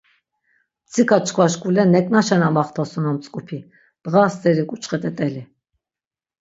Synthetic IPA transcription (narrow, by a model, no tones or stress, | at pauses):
t͡sʰikʰat͡ʃʰʼkʰvaʃkʼulɛnɛkʼnaʃɛnamaχt̪ʰɔsunɔmt͡sʼkʼupʰi | d̪̥ʁast͡s̪ɛɾikʼut͡ʃχɛt̪ʼɛt̪ʼɛli